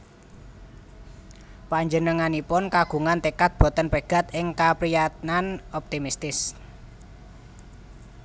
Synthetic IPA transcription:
paɲd͡ʒənəŋanipʊnkaɡ̥ṳŋant̪ikat̪̚b̥ɔ̤t̪ənpəɡ̥a̤t̪ɪŋkapɾijat̪̚nanɔp̚t̪imist̪ɪs

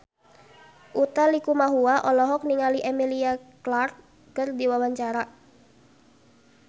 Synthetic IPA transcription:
ʔut̪alikumaɦuaʔɔlɔɦɔk̚niŋaliʔemiliaklart̪̚ | kərdiwawaɲt͡ʃaɾa

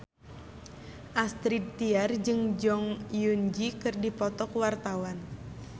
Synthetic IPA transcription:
ʔast̪ɾid̪̚t̪iard͡ʒɨŋd͡ʒɔŋjund͡ʒikɨrdipɔt̪ɔkwart̪awan

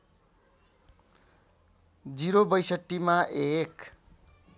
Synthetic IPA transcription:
d͡ziɾobʌjsʌʈːimaʔek

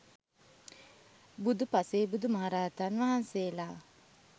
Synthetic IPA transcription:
bud̪upaseːbud̪umaɦaɾaːt̪anʋaɦanseːlaː

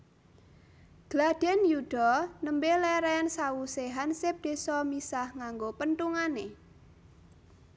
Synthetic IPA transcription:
ɡ̥lad̪̥ɛ̤njud̪̥ɔnəmbelɛɾɛnsawuseɦansep̚d̪̥e̤sɔmisahŋaŋɡopənt̪uŋane

